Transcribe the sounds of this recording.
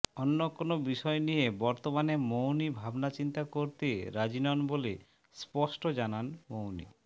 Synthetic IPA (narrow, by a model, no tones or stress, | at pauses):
onːokonobiʃɔenijebɔɾt̪omanemownibʱabnat͡ɕint̪akoɾt̪eɾad͡ʑinɔnbole | spɔʃʈod͡ʑananmownḭ